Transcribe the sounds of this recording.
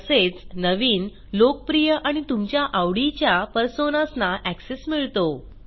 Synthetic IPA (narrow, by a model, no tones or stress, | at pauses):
əset͡snəʋiːn | lokəpɾijəʔaɽ̃it̪umt͡ɕjaʔaʋɽit͡ɕjapəɾsonasnaʔæksesmiɭt̪o